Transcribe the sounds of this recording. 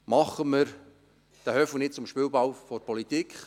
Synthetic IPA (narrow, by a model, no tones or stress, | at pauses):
mɑχəməɾ | d̥æhœfənɪt̚t͡sʊmʃpɪːlbɑwfɔɾpʰɔlit̪iːkχ